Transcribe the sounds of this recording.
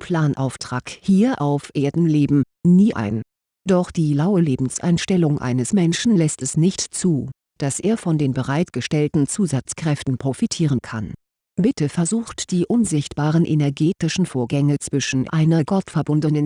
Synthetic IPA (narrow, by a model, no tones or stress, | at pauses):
pʰl̥aːnʔa̰ʊftʁ̥aːkhiːɐʔaʊfʔeːɐdn̩leːbm̩ | niːʔa̰ɪn | d̥ɔχd̥iːlaʊəleːbm̩sʔa̰ɪnʃtɛlʊŋʔa̰ɪnəsmɛnʃn̩lɛstɛsnɪçtt͡suː | d̥asʔeːɐfɔndeːnbəʁaɪtɡ̥əʃtɛltn̩t͡suːzat͡skʁ̥ɛftn̩pʁ̥ofitʰiːʁ̞ənkʰa̰n | b̥ɪtəfɛɐzuːxtd̥iːʔʊnzɪçtb̥aːʁənʔḛnɛɐɡeːtɪʃn̩foːɐɡɛŋət͡sv̥ɪʃn̩ʔa̰ɪnɐɡɔtfɛɐbʊndənən